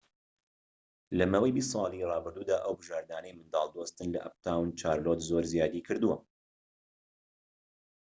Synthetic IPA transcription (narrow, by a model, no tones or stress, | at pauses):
lɐmawejbist̪sˤɑːlˠirˤɑːbɨɾd̪uːd̪aːʔəwbɨʒaːɾd̪aːnəjmɨnd̪ɑ̰lˠd̪ost̪ɨnlɐ̰ʔa̰p̚t̪ʰawnt͡ʃaːɾlot̪zoɾzjaːd̪ikʰɨɾd̪uwɐ